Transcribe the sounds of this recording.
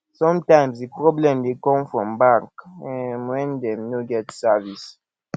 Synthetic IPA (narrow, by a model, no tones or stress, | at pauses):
sɔ̃mtãɪ̃msdipɹɔblɛ̃mdekɔ̃mfɹɔ̃mbakɛnwɛ̃ndɛ̃mnoɡɛtsɛvis